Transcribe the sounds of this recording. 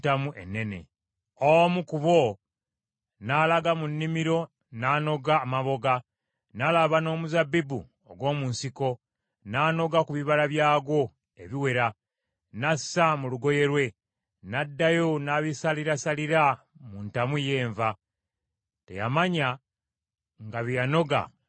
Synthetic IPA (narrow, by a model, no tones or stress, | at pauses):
tamuʔenːe̞ne̞̰ | omukuβo | nalaɡamunːimiɾo̞ | naːno̞ɡaːmaβo̞ɡa | nalaβano̞ːmuzabibu | o̰ɡwo̞ːmunsiko̞ | naːno̞ɡakuβiβalaβjaːɡo̞ | e̞βiwe̞ɾa | nasːamuluɡo̞je̞ɾwe̞ | nadːajo̞naβisaliɾasaliɾa | muntamuje̞ːɱva | te̞̰ja̰maɲa | ŋɡaβijano̞ɡa̰